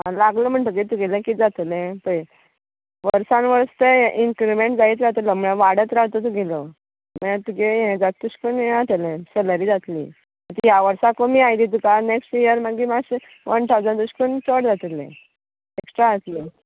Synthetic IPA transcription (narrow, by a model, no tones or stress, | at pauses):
ɦãlaɡləm̤əɳt̪ək̬it̪uɡelɛ̃kid͡zat̪lɛ̃pə | ʋəɾsãnʋəɾst̪eʔinkɾimeɳʈd͡zait͡sɾat̪ləməɭãʋaɽət̪ɾat̪ot̪̬uɡelɔ | məãt̪ukejẽd͡zat̪ːuɕkənjeat̪elɛ̃seləɾiːd͡zat̪lḭː | at̪ijaʋəɾsakomiːajd̪it̪̬ukaneksʈjəɾmaɡimas | ʋənʈ̪ʰawd͡zad̪uɕkənt͡soɽd͡zat̪elɛ̰̃ | eksʈɾaət̪le